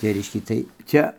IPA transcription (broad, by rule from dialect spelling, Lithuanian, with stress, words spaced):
tɐɪ ˈrʲɛɪʃʲkʲɛ ˈtɐɪ ˈt͡sʲɛ